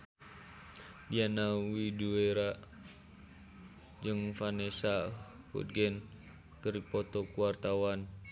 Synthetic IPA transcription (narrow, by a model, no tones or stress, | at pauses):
dianawidueɾa | d͡ʒɨŋfanesa | hṵt̪̚ɡɛn | kəripɔt̪ɔkuart̪awan